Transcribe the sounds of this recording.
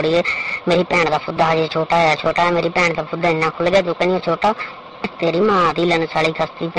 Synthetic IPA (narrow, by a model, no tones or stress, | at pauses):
ɽiːeːmeːɾiːpɛːɳd̪aːpʰʊd̪ːaːɦəd͡ʒeːt͡ʃʰoːʈaːjaːt͡ʃʰoːʈaːmeːɾiːpɛːɳd̪aːpʰʊd̪ːaːɪnːãːkʰʊlɡaːd͡ʒ̪õːkəniẽːt͡ʃʰoːʈaː | ɪt̪eːɾiːməãːt̪iːlənsaːliːkʰəst̪iːp